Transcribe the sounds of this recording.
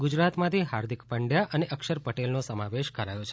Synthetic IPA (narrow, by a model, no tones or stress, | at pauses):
ɡud͡ʒɾat̪mãt̪ʰiɦaɾd̪ʱikpəɳɖjaəneʔəkʃəɾpəʈelnosəmaʋeʃkəɾajot͡ʃʰe